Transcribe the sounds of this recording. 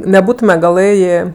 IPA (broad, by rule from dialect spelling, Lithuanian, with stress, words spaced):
nʲɛˈbuːtʊmʲɛ ɡɐˈlˠɘjeː